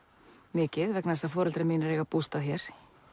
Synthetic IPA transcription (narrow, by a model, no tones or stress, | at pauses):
mɪːcɪðvɛknaɛsafɔːɾʏlt̪ɾɛmiːnaɾɛɣapuːst̪aðçjɛɾ̥